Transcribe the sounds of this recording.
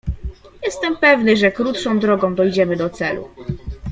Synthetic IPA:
jɛst̪ɛmpɛvnɘʐɛkɾut̪ʂɔ̃w̃d̪ɾɔɡɔ̃w̃d̪ɔjd͡ʑɛmɘd̪ɔt̪sɛlṵ

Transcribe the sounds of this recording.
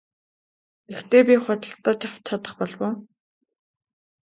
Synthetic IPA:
ext̪eːpʲiχɔt̪ə̆ɬt̪ːaːt͡ɕaw̥t͡ɕʰat̪ə̥̆χpɔɮwoː

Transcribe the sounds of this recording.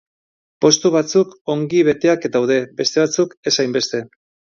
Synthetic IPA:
po̞st̪uβ̞at͡suko̞ŋɡiβ̞e̞t̪e̞ak̪awðe̞be̞st̪e̞βat͡suke̞sajmbe̞st̪e̞

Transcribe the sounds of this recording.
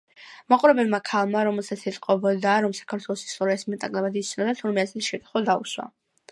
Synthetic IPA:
maqʼuɾɛbɛbmakʰalˠmaɾɔmɛlˠsat̪sʰɛt̪sʼqʼɔbɔd̪aɾɔmsḁkʰaɾt̪ʰwɛlˠɔsi̥st̪ʼɔɾiasmɛt̪ʼakʼlˠɛbad̪it̪sʰnɔd̪at̪ʰuɾmɛasɛt̪ʰiʃɛt̪ʰʼχɔd̪aṵswa̰

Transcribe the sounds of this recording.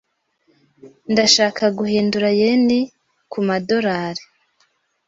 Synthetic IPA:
ndaʃaːkʰaɡuhiːnduɾajeni | kumado̞ɾaɾe

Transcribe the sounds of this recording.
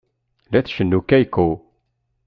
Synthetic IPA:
læθʃənːukːæjku

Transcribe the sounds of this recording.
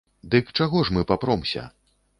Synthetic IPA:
d̪ɨkt͡ʂaɣɔʂmɨpapɾɔmsʲɐ̰

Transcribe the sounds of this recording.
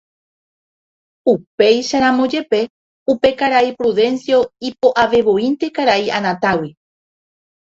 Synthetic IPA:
upe̞jʃaɾamõd͡ʒe̞pe̞ | upe̞kaɾaipɾuðẽ̞nsjo̞ipo̞ʔaʋe̞βoĩnt̪e̞kaɾaianãt̪awi

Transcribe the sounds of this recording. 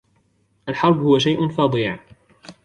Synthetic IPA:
ʔalħɑɾˤbhʊwaʃ̬ajʔnfɑːd̪ˤiːʕ

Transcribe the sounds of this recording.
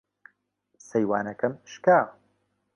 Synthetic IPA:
sɐjwaːnɐkɐmʃkaːw

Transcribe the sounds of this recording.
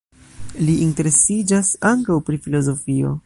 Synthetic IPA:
liʔinte̞ɾe̞sid͡ʒasaŋkawpɾifilo̞zo̞fio̞̰

